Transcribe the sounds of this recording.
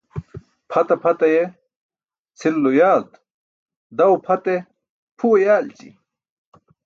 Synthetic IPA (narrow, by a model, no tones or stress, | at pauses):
pʰɐt̪ɐpʰɐt̪ɐje | t͡sʰilːojaːd̪ | d̪ɐwpʰɐt̪e | pʰuːjaːlt͡ɕḭ